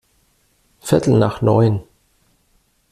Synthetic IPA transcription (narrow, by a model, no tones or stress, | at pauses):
fɪɐtʰl̩na̰ːχnɔʏn